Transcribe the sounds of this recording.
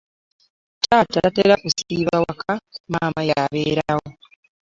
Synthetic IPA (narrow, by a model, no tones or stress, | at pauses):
taːtaateɾakusiːβawakʰamaːmajaβeːɾawo